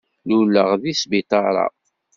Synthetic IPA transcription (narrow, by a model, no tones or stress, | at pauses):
lulːəʁðisbit̪ɑɾˤɑ̰